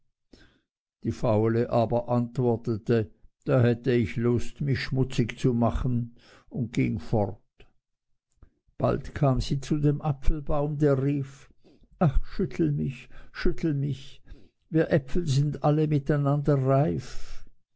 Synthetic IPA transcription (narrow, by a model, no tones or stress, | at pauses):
d̥iːfaʊləʔaːbɐʔantv̥ɔɐtətəd̥aːhɛtəɪçlʊstmɪçʃmʊt͡sɪçt͡sumaχən̩ | ʊnd̚ɡ̥ɪŋfɔʁt | b̥a̰ltkʰaːmz̥iːt͡sudeːmʔapfl̩baʊmdeːɐʁiːf | ʔaχʃʏtʰl̩mɪçʃʏtʰl̩mɪç | viːɐʔɛpfl̩zɪndaləmɪtaɪnandɐʁaɪf